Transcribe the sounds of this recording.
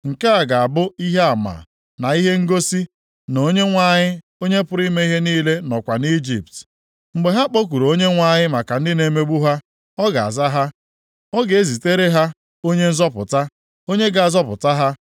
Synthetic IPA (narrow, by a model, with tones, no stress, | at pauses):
ŋ̩˨ke˦a˨ɡa˨a˨bʊ˦i˦ɦe˦a˨ma̰˨ | na˨i˦ɦe˦ŋ̩˦ɡo˦si˦ | no˨˦ɲe˦ŋʷa˦ɲɪ˦ | o˦ɲe˦pʊ˦ɾi˦me˦i˦ɦe˦niː˦le˦nɔ˨kʷa˨ni˦d͡ʒḭ˨pt | ŋ͡m̩˨ɡ͡be˨ɦa˦k͡po˦k̬ʷu˨ɾo˦ɲe˦ŋʷa˦ɲɪ˦ma˨ka˨n̩˦dɪ˦ne˨˦me˦ɡ͡bu˦ɦa˦ | ɔ˦ɡa˨a̰˨za˦ɦa˦ | ɔ˦ɡe˨e˦zi˨te˦ɾe˦ɦa˦ | o˦ɲe˦n̩˦zɔ˦pʊ̰˨ta˦ | o˦ɲe˦ɡa˨a˨zɔ˦pʊ̰˨ta˦ɦa˦